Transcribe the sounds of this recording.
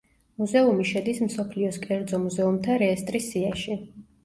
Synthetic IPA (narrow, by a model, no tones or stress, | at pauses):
muzɛumiʃɛd̪ismsɔpʰliɔskʼɛɾd̪zɔmuzɛumt̪ʰaɾɛːst̪ʼɾisːiaʃi